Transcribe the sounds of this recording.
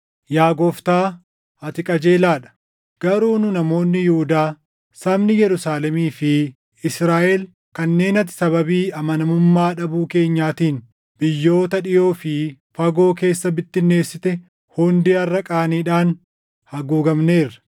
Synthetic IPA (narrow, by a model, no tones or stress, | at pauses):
jaːɡɔft̪aː | ɐt̪ɪkʼɐd͡ʒe̞ːlaːᶑɐ̥ | ɡ̥ɐɾuːnʊnɐmo̞ːnːɪjʊhʊd̪aː | sɐbnɪjɛɾʊsaːlɛmiːfɪ | ɪsɾaːʔɛl | kɐnːe̞ːnɐt̪ːɪ̥sɐβɐbiːɐmɐnɐmʊmːaːᶑɐbuːke̞ːɲːaːt̪iːn | bɪjːo̞ːt̪ɐᶑɪjo̞ːfɪ | fɐɡo̞ːke̞ːsːɐbɪt̪ːɪnːe̞ːsːɪt̪ɛ | hɔnd̪iːɐrːɐkʼaːniːᶑaːn | hɐɡuːɡɐmneːrːɐ̥